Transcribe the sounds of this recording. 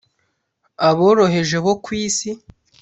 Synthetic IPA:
aβo̞ːɾo̞ɦe̞ʒeβokwiːsi

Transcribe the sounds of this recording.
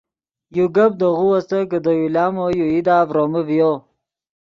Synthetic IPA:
juɡɐb̚d̪əɣuwast̪ək̬əd̪əjulɑːmojuid̪aːvɾoməvjo

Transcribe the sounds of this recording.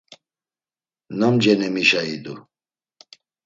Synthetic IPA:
namd͡ʒɛnɛmiʃaid̪u

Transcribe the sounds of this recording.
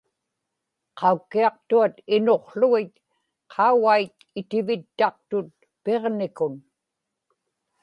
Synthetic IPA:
qʰɑukːiɑq̚t̪uat̪ɪno̞qɬʊɣɪt̪ | qʰɑuɣajt̪ | ɪt̪ɪvɪt̪ːɑq̚t̪ʊt̪̚ | pe̞ʁnɪkʊn

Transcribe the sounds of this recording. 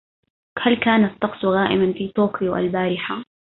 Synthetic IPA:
halkaːnat̪ˤːɑqsʊɣaːʔɪmanfiːt̪oːkɪjʊʔa̰lbaːɾɪħa

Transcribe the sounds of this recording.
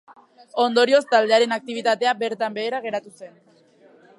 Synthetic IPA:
o̞nd̪o̞ɾio̞st̪ald̪e̞aɾe̞nak̚t̪iβ̞it̪at̪e̞abe̞ɾt̪ambe̞ːɾaɣ̞e̞ɾat̪use̞n

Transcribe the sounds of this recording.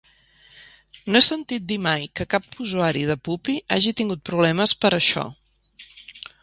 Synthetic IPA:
noesənt̪it̪̚d̪imajkəkapuzuaɾiðəpupiʔa̰ʒit̪iŋɡut̪̚pɾuβlɛməspəɾəʃɔ̰

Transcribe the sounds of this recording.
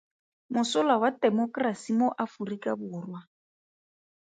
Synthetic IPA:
mʊsʊlawatɛmɔkrasimoʔafurikabʊːrwa

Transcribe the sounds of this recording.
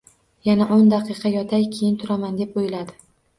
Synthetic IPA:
janaʔond̪aqʰɨqʰɑjɒt̪ʰajkʲʰejɪnt̪ʰʊɾamand̪epojɪlad̪ɪ

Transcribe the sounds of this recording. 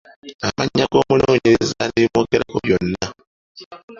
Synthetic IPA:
amaɲaɡo̞ːmuloːɲeɾezalimoːɡeɾakoβjo̞nːa

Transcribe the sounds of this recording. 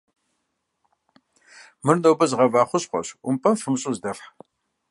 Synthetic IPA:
mɨrnoːbɐzʁɐvaːχʷʊɕqʷɔ̰ɕʊmpʼɐmfɨmɕʼuzdɐfħ

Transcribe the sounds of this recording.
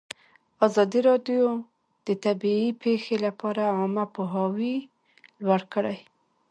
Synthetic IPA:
ɑzɑd̪iɾɑɖjo | d̪̥ət̪abiipexelapɑɾaɑmapoɦɑwi | lwaɽkəɽaj

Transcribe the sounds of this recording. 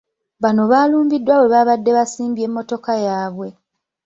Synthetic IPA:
βano̞βaːluːmbidːwawe̞βaβadːe̞βasiːmbje̞mːo̞to̞kajaːβwe̞

